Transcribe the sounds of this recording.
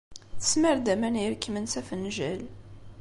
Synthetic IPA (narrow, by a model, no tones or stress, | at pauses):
θə̥sməɾd̪æmæniɾkːmənsæfənʒæl